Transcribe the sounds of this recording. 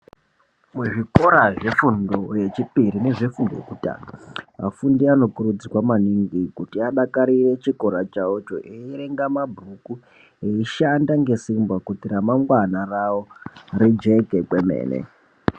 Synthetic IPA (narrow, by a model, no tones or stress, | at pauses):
muʐiko̞ɾaʐe̞fundoje̞t͡ʃipiɾine̞ʐe̞fundojḛkuta̰ːnaa̰fundiano̞kurud͡zikwamaniŋɡikutiaɗakaɾire̞t͡ʃiko̞ɾat͡ʃaot͡ʃo̰ʔeiɾeŋɡamabʱuku | eiʃandaŋɡe̞simbwakutiɾamaŋɡwanarawo̞ɾid͡ʒe̞kekwemḛːnḛ